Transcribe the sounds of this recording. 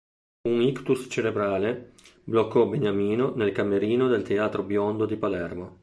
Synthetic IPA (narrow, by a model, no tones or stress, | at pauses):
unikt̪ust͡ʃeɾebɾaːleblokːɔbeɲamiːnonelkameɾiːnod̪elt̪eaːt̪ɾobjond̪od̪ipalɛrmo